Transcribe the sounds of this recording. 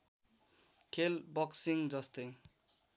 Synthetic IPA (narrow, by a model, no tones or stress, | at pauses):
kʰelbʌksiŋd͡zʌst̪ej